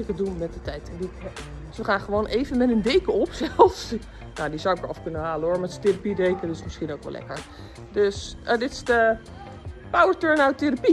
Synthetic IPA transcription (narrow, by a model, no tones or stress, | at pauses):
ɪkədunmɛt̚dətɛjtɛndi | sʋəχaːnχəʋoːnʔeːvənmɛtəndeːkəɔpsɛlˠfs | nadizawɪkɔfkønənhaːlənʊːɹmɛtsə̥terapidejkədɪsmɪsχinowkʋɛ̰lɛ̰kəɹ | døsədɪtɪ̥sdə | pawəɹtøɹnawteɾapi